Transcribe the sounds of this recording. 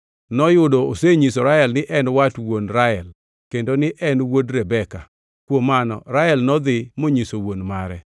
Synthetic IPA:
nɔjʊdooseɲisoɾaɛlnɪʔɛnwatwonɾaɛl | kendonɪʔɛnwodɾɛbɛka | kwomanɔ̰ɾaɛlnɔd̪ɪmoɲisowonmaɾɛ̰

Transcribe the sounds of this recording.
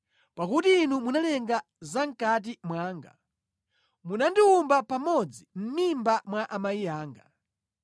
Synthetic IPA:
pakutiːnumunalɛŋɡa | zaŋ̩kat̬imwaːŋɡa̰ | munandiumbapamɔd͡zim̩mimbamwaʔamaijaːŋɡa

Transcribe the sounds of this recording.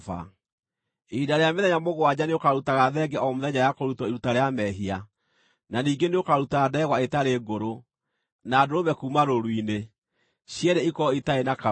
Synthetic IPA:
a̰ | edaɾeameðɛɲamoɣwaɲaneokaɾutaɣaðɛɡɛʔɔmoðɛɲajakoɾutɔeɾutaɾeamɛɦia | naniːɡeneokaɾutadɛɣwaetaɾeɡoɾo | naːdoɾoβɛkuːmaɾoɾwine | ɕjɛɾeikɔitaenaka

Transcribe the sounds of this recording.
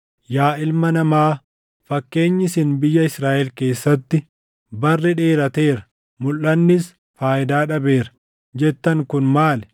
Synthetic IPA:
jaːʔɪlmɐnɐmaː | fɐkːe̞ːɲːɪsɪnbɪjːɐɪsɾaːʔɛlke̞ːsːɐt̪ːɪ | bɐrːɪᶑe̞ːɾɐt̪e̞ːɾɐ | mʊlːɐnːɪs | faːʔɪd̪aːᶑɐbe̞ːɾɐ̥ | d͡ʒɛt̪ːɐŋkʊnmaːlɛ

